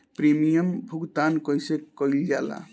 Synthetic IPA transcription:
pɾemijəmbʱuɡt̪ankɔjsekɔild͡ʒala̰

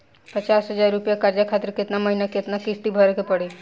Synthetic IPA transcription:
pət͡ʃaːsɦəd͡ʒaːɾːupjakaɾd͡ʒakʰat̪ɾkɪt̪naməɦinakɪt̪nakɪst̪ibʱəɾkepəɽe

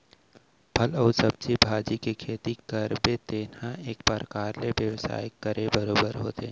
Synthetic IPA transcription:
pʰɐlɐʊsɐb̚t͡ʃibʱaːd͡ʒikekʰeːt̪ikɐɾbet̪eːnãeːk̚pəɾəkaːɾleʋjɐʋsa̰ːjɪkːɐɾʔẽbɐɾoːbəɾɦo̰ːt̪e

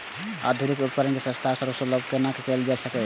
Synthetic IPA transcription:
a̰d̪ʱuɾikup̚kəɾənkesə̃st̪ʰasəɾusoləbkenakekeld͡ʒasəke

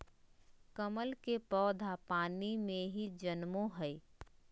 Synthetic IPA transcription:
kəməlkepɔːd̪ʱapaːnimẽɦid͡ʒənmõɦɛi

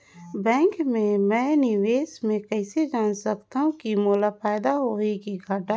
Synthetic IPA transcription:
bɛ̃ːŋkmẽmɛ̃ːnɪʋeːsmẽkɛːsed͡ʒaːnsɐkt̪aɦũkimoːlapaːd̪aɦoːekiɡʱaːʈa

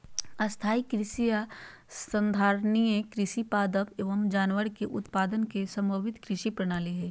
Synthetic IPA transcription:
ɐst̪ʰaːikɾɪʃija | sə̃nd̪ʱaːɾnijẽkɾɪʃipaːd̪əʋeːʋəmd͡ʒaːnʋəɾkeʔʊt̪paːd̪ənkesɐ̃mbəʋɪt̪kɾɪʃipɾɐɽ̃aːliɦɛː

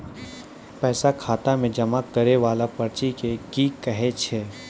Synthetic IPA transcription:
pɛːsakʰaːt̪amẽd͡ʒɐmakːɐɾeʋaːlapɐɾt͡ʃikekikɐɦet͡ʃʰeː

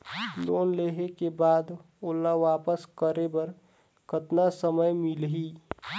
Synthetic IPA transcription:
loːnleːɦekebaːd̪ | ʊlːaʋaːpəskəɾebəɾ | kʰət̪nasəməjmɪlɦiː

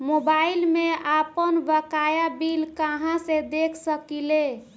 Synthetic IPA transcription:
mobailmeapənbəkajabilkaɦãsed̪ekʰsəkile

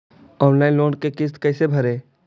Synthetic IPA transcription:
ɔːnlaːɪnloːnkekɪst̪kɛːsebʱɐɾeː

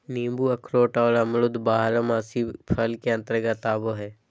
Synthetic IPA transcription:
niːmbuɐkʰɾoːʈaolamlʊd̪baːɦɾəmaːsipʰəlkeɐ̃nt̪ɾəɡat̪aːboɦɛː

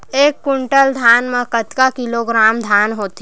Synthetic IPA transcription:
eːkːʊɳʈəld̪ʱjaːnmẽkət̪kakɪloːɡɾaːmd̪ʱjaːnɦoːt̪

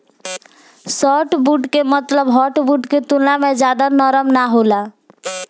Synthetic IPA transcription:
sɔʈbuʈkemət̪ləbɦɔʈbuʈket̪ulnamed͡ʒad̪anəɾəmnaɦola

